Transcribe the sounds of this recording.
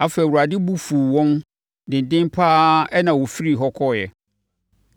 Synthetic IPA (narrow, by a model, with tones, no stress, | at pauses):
a˨fɛ˨wu˨a˨dɪ˦bu˦fu˨wɔ̃˦n | dɪ̃˨n˨dɪ̃˦m˦pʰaː˦ɛ˦nã˨wɔ˨fi˦ɾi˨ɦɔ˦kʰɔ˦˨jɛ̰˨